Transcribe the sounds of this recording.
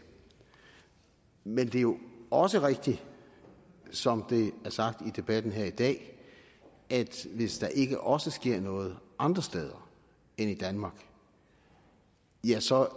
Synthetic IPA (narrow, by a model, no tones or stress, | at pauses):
mend̥e̝æjo̝ɒ̽səʁeɡ̥̚d̥i | sɒ̽md̥e̝æɐsɑ̈ɡ̥̚d̥id̥e̝b̥æd̥n̩ɦeɐ̰id̥ɛ̰ː | ʔæd̥ʋe̝sd̥ɑ̈ʔe̝ɡ̥əʔɒ̽səsɡ̥e̝ɐ̰nɔ̽ːð̞̩ˠʔɑ̈nd̥ʁɐsd̥eːð̞ˠɐ | enid̥ænmɑ̈ːɡ̥ | jæsɒ̽